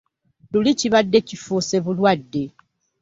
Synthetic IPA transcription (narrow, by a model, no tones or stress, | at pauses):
luliciβadːe̞cifuse̞βulwadːe̞